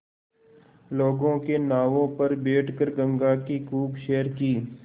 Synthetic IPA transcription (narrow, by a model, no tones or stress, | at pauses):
loːɡõkenaːʋõpɐɾbeːʈʰkəɾɡə̃ŋɡaːkikuːbʃeːəɾkiː